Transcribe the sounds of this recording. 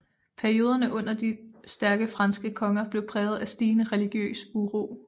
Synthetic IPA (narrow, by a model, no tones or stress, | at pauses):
pʰæɐio̝ːð̞ˠɐnəʔɔ̽n̰ɐd̥isd̥æɐɡ̥əfʁɑ̈nsɡ̥əkʰɒ̽ŋɐb̥le̝ʊpʰʁɛːð̞̩ˠæsd̥iːnəʁɛliɡ̥jø̰ːsuʁo̝ː